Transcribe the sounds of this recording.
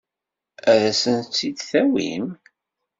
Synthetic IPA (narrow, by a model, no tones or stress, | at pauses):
æðæsənt͡sːid̪θæwḭm